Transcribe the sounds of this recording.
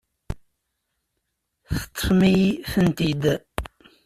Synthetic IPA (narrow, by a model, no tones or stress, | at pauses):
θə̥t̪ʰˤːə̥fmijθənt̪id̪